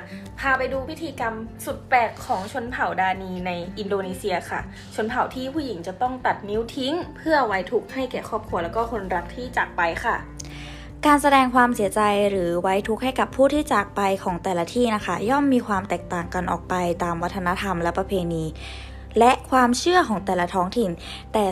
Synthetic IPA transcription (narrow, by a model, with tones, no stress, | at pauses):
pʰaː˧pa˧jduː˧pʰi˦˥t̪ʰiː˧ka˧msu˨˩t̪̚pɛː˨˩kʰːɔː˩˦ŋt͡ɕʰo˧˥npʰa˨˩wdaː˧niː˧na˧jʔi˧ndoː˧niː˧si˧ɐkʰa˥˩ | t͡ɕʰo˧˥npʰa˨˩˦wt̪ʰiː˥˩pʰuː˥˩ji˩˦ŋt͡ɕa˨˩t̪ɔ˥˩ŋt̪a˨˩t̪̚ni˦˥wt̪ʰi˦˥ŋpʰɯ˥˩ɐwa˦˥jt̪ʰu˦˥k̚ha˥˩jkɛː˨˩kʰɔː˥˩p̚kʰu˧lɛː˦˥wkɔː˥˩kʰo˧nɾa˦˥k̚t̪ʰiː˥˩t͡ɕaː˨˩k̚pa˧jkʰa˥˩ | kaː˧nsa˧dɛː˧ŋkʰwaː˧msi˨˩˦ɐt͡ɕa˧jɾɯː˩˦wa˦˥jt̪ʰu˦˥k̚ha˥˩jka˨˩pʰːuː˥˩t̪ʰiː˥˩t͡ɕaː˨˩k̚pa˧jkʰɔː˩˦ŋt̪ɛː˨˩la˧t̪ʰiː˥˩na˦˥kʰa˥˩jɔ˥˩mːiː˧kʰwaː˧mt̪ɛː˨˩k̚t̪aː˨˩ŋka˧nʔɔ̰ː˨˩k̚pa˧jt̪aː˧mwa˦˥t̪ʰːa˧a˦˥t̪ʰa˧mlɛ˦˥pɾa˧pʰeː˧niː˧ | lɛ˦˥kʰwaː˧mt͡ɕʰɯ˥˩ɐkʰɔː˩˦ŋt̪ɛː˨˩la˧t̪ʰɔː˦˥ŋt̪ʰi˨˩n | t̪ɛː˨˩